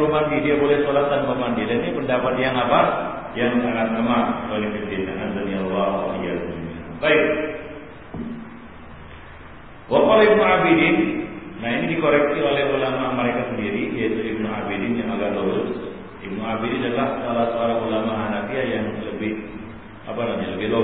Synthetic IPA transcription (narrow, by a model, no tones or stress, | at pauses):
umandidiabolɛhsolat̪anbomandiadaninipəndapat̪̚jaŋapa | jaŋakat̪̚kəmakolɛkət͡ʃinaʔandanialːaajasnina̰baɪk̚ | wakalibnuabidɪnnainidikoɾɛk̚siolɛɦulamaməɾekasəndiɾijait̪uib̚nuabidɪnjaŋaɡaʔloɾʊs | ib̚nuabidinadalahsalahsoaɾaŋulamaɦanafiajaŋləbɪh | ʔapanaɲaləbɪhlo